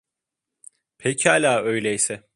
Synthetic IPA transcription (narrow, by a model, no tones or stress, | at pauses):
pʰecʰalʲaːøjlʲɛjisɛ